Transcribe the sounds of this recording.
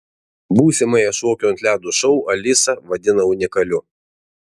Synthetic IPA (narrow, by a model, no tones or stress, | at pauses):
buːsʲɪmɐɪɛʃoːkʲuːɐnʲt̪lʲæːd̪uʃɔʊʔɐlʲɪsɐʋɐd̪ʲɪnɐʊnʲɪkɐlʲʊ